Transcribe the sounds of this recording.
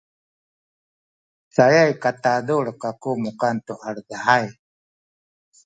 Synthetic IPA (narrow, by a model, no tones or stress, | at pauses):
t͡sajajkataduɽkakumuqant̪uʔaɽzahaj